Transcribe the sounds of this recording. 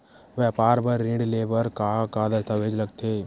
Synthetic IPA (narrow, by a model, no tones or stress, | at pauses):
ʋjɛːpaːɾbəɾːɪ̃ɳɖleːbəɾkakad̪əst̪ʰaʋeːd͡ʒləɡt̪ʰeː